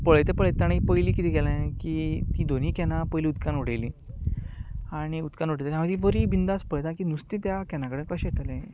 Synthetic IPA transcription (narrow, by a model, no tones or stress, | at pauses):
pəɭejt̪epəɭjt̪ːaɽ̃ipəjliːkit̪ʰiːɡɛlãkiːt̪iːd̪on̤iːkɛnapəjliːut̪kanuɽ̤ejliː | aɽ̃iut̪kanoɽəjt̪ejam̤ad͡ʑiʋəɾiːbind̪aspəɭjt̪ãkinust̪ĩt̪jakɛnãkəɽekəɕt̪alẽ